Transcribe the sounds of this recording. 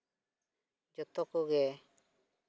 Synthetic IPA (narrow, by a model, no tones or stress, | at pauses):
d͡ʒɔt̪ɔkɔɡɛ